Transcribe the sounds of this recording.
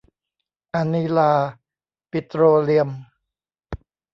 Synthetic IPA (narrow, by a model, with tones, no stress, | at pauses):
ʔa˧ni˧laː˧ | pi˧t̪ɾoː˧li˧əm